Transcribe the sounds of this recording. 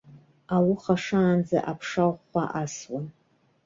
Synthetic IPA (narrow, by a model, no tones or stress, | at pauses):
awʊχaʂaːnd͡za̰ʔapʰʂawχʷaʔaswan